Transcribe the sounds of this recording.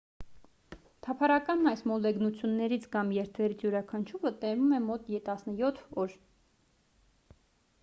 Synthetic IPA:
t̪ʰɑpʰɑɾɑkɑnːɑjsmɔlɛɡnut͡sʰjunːɛɾit͡sʰkɑmjɛɾt̪ʰvɛɾit͡sʰjuɾɑkʰɑnt͡ʃʰuvət̪ɛvumɛmɔt̪jɛt̪ɑsnəjɔt̪ʰɔɾ

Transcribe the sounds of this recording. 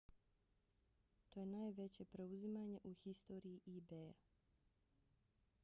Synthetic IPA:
t̪oːje̞naːjʋe̞t͡ɕe̞pɾe̞uzimaɲe̞ʔuxist̪o̞ːɾijiʔibeja

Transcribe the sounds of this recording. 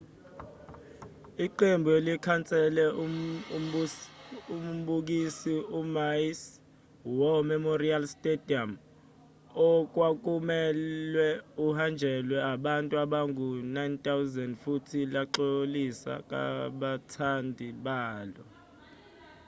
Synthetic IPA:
iǃembʱuelikʰant͡sʼɛlɛ | umɓuk̬isiumajs | wɔmɛmorialstʼedʱiam | ɔk̬wak̬ʼumɛlwɛuhand͡ʒʱɛlwɛaɓantʼuaɓaŋunajntʼawzɛndfutʰilaǃolisa̰k̬ʼa̰ɓatʰandʱiɓaːlɔ

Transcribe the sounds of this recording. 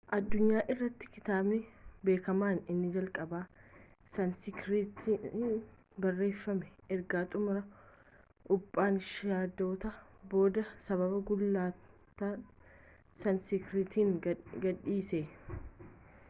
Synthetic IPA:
ʔɐd̪ːʊɲːaːʔɪrːɐt̪ːɪ̥kɪt̪aːbnɪbe̞ːkɐmaːnɪnːɪd͡ʒɐlkʼɐbaːsɐnsɪkɾɪt̪i | bɐrːe̞ːfːɐmɛɛɾɡaːt̪ʼʊmʊɾɐ | ʔʊpʼːaːnʃaːd̪o̞ːt̪ɐbo̞ːd̪ɐsɐβɐbɐɡʊlːaːt̪ɐ | sɐnsɪkɾɪt̪iːŋɡɐᶑiːseː

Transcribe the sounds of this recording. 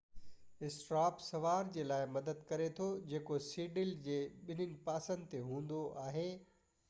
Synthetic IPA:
ɪsʈɾaːpsɐʋaːɾd͡ʑeːlaːɪmɐd̪əd̪kɐɾet̪ʰod͡ʑeːkosiːɖɪld͡ʑeːɓɪn̤ənɪ̆paːsə̃nd̪ɪt̪eɦũːnd̪oʔaːɦeː

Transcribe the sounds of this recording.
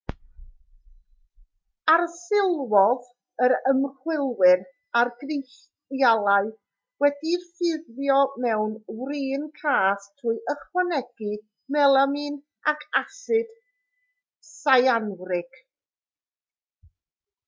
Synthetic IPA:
arsɪlˠwɔð | əɾəmr̥wɪlˠwɨɾ | arɡrɪjɬ | jalˠaɨ | wɛdirfɨðvjɔmɛwnwriːnkʰaːstʰuɨʔəχwanɛɡ̥i | mɛlˠamin | akʰasɨd̥ | sajanwrɪɡ̥

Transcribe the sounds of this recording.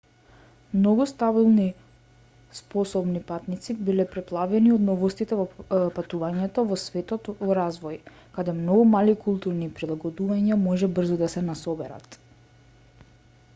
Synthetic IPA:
mnɔɡust̪abilˠni | spɔsɔbnipat̪nit̪sibilɛpɾɛplˠavɛniɔd̪nɔvɔst̪it̪ɛvɔpat̪uvaɲɛt̪ɔvɔsvɛt̪ɔt̪vɔɾazvɔj | kad̪ɛmnɔɡumalikulˠt̪uɾnipɾilˠaɡɔd̪uvaɲamɔʒɛbr̩zɔd̪asɛnasɔbɛɾa̰t̪

